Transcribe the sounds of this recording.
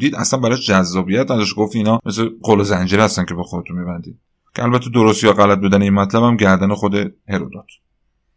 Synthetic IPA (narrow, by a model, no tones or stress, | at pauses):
d̪iːd̪æ̰slænbæɾɒʃd͡ʒæzːɒːbijæt̪næd̪ɒʃɡoft̪iiːnɒːme̞sleqolezænd͡ʒiɾhæst̪æncʰe̞bexod̪et̪ʰunmibænd̪iːd̪ | cʰeælbæt̪ʰːe̞d̪oɾost̪jɒɣælæt̪̚buːd̪æneiːnmæt̪ʰlæbæmɟæɾd̪ænexod̪eheɾod̪ɒt̪ʰ